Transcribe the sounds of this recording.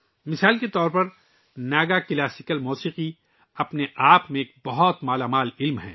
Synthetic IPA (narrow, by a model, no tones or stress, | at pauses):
mɪsaːlket̪ɔːɾpɐɾ | naːɡakɪlaːsɪkəlmuːsiːqi | ɐpneʔaːpmẽeːk̚bɐɦɔt̪maːlaːmaːlɪlmɦɛ̰̃ː